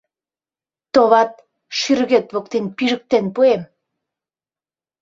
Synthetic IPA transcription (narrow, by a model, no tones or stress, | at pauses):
t̪oβɑt̪̚ | ʃyrɣet̪βokt̪enpiʒə̆k̚t̪enpuem